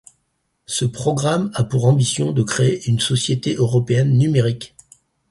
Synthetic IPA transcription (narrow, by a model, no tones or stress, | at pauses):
səpχɔɡʁamapuʁɑ̃bisjɔ̃d̪əkχeeʔynsɔsjet̪eʔøʁɔpeɛnːymeʁik